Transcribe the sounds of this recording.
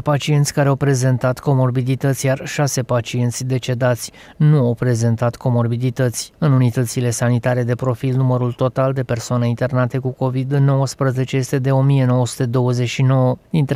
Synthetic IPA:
pat͡ʃie̞nt̪sʲkaɾeawpɾe̞ze̞nt̪at̪ko̞mo̞rbid̪it̪ət̪sʲjarʃase̞pat͡ʃie̞nt̪sʲd̪e̞t͡ʃe̞d̪at̪sʲ | nuawpɾe̞ze̞nt̪at̪ko̞mo̞rbid̪it̪ət̪sʲɨnunit̪ət̪sile̞sanit̪aɾe̞d̪e̞pɾo̞filnuməɾult̪o̞t̪ald̪e̞pe̞rsoaneint̪e̞rnat̪e̞kuko̞vid̪no̞wəspɾəze̞t͡ʃe̞je̞st̪e̞d̪e̞o̞mije̞no̞wəsu̥t̪e̞d̪o̞wəze̞ʃino̞wəd̪int̪

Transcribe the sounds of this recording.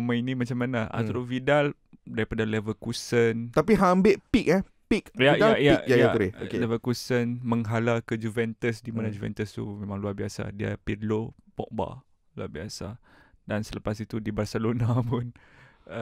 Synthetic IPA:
mãinimat͡ʃamːanaʔa̰t̪uɾovidal | daɾipadalɛvəkusənt̪apiɦambɪʔpik̚ɛ | pikjadaljajaaɾeokelɛvəkusənmə̃ŋɦalakəd͡ʒuvɛnt̪əsdimanad͡ʒuvɛ̰nt̪əst̪ṵmẽmãŋluarbiasa̰dia̰pidlopɔ̰k̚ba̰ | lua̰biasadansələpasit̪udibarsɛlonapʊnə

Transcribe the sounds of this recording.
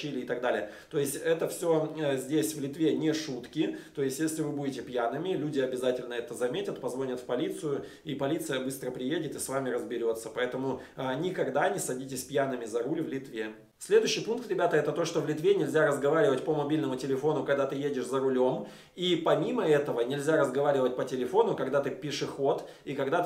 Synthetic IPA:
ilʲɪːt̪ɐɡd̪alʲɪjə | t̪o̞ɪsʲtʲɛt̪əfsʲozʲdʲesʲvlʲɪt̪vʲe̞nʲɪʂut̪kʲɪt̪o̞ɪsʲtʲjesʲlʲɪvɨbudʲɪtʲɪpjanɨmʲɪlʲudʲɪɐbʲɪzatʲɪlʲnəɛt̪əzɐmʲetʲət̪pɐzvo̞nʲət̪fpɐlʲit̪sɨjʊ | ipɐlʲit̪sɨjəbɨst̪ɾəpɾʲɪjedʲɪt̪ɨsvamʲɪɾəzbʲɪɾʲo̞t̪sə̥pɐɛt̪əmʊanʲɪkɐɡd̪anʲɪsɐdʲitʲɪsʲpjanɨmʲɪzɐɾulʲvlʲɪt̪vʲe | sʲlʲed̪ʊɕːɪjpunk̚t̪ɾʲɪbʲat̪əɛt̪ət̪o̞ʂt̪ovlʲɪt̪vʲenʲɪlʲzʲaɾəzɡɐvaɾʲɪvətʲpəmɐbʲilʲnəmʊtʲɪlʲɪfo̞nʊkɐɡ̚d̪at̪ɨjedʲɪʂzəɾʊlʲo̞m | ipɐmʲiməɛt̪əvənʲɪlʲzʲaɾəzɡɐvaɾʲɪvət̚ʲpətʲɪlʲɪfo̞nʊkɐɡd̪at̪ɨpʲɪʂɨxo̞t̪ | ikɐɡd̪a

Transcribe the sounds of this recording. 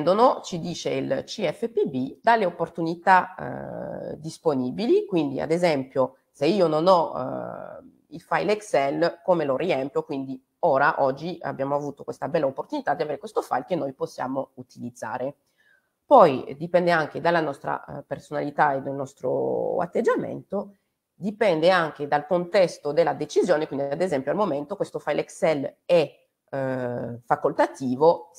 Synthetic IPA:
nd̪onot͡ʃid̪iːt͡ʃeilt͡ʃiɛfːepibid̪alːeopːort̪unit̪a̰ | d̪isponiːbilikwind̪ia̰d̪ezɛmpjo | seiːononɔ | ilfajlɛksɛlkomeloɾiɛmpjokwind̪i | oːɾaʔɔd͡ʒːia̰bːjaːmoavuːt̪okwest̪abɛlːaopːort̪unit̪ad̪iaveːɾekwest̪ofa̰jlkenːojposːja̰ːmout̪ilid̪zːa̰ːɾe | pɔjd̪ipɛnd̪eaŋk̟ed̪alːanɔst̪ɾa̰personalit̪aed̪elnɔst̪ɾo̰a̰t̪ːed͡ʒːamḛnt̪o | d̪ipɛnd̪eaŋk̟ed̪alkont̪ɛst̪od̪elːad̪et͡ʃizjoːnekwind̪iiad̪ezɛmpjoalmoment̪okwest̪ofajlʔeksɛlɛ | fakolt̪at̪iːvo

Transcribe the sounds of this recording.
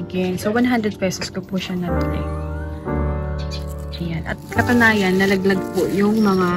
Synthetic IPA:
ɡɛnsowanɦand̪ɾɛd̪̚pɛsoskopʊʃanɐt̪ʊnɛ | ɐjanʔɐ̰t̪̚kɐt̪ʊnaːjɐnːɐlɐɡ̚lɐɡ̚poʔjʊŋmɐŋa

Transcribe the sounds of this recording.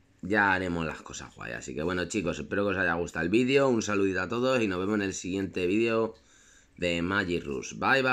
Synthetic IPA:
ɟ͡ʝaːɾe̞mo̞zla̰hko̞sa̰hɣwa̰ja̰sike̞βwe̞no̞t͡ʃiko̞sehpe̞ɾo̞kesaʝaɣ̞ust̪aelβiðjo̞unsaluðit̪at̪o̞ð̞o̞sino̞ɦβemosne̞lsiɣje̞nt̪e̞βiðjo̞ | ðe̞maʝirṵsbajβa

